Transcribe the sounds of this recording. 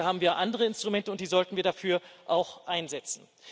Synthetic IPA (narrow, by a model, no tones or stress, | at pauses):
ɦaːbm̩viːɐʔandəʁ̞əɪnstʁ̥umɛntəʊnt̚d̥iːzɔltn̩viːɐdafyːɐʔaʊxʔaɪnzɛt͡sn̩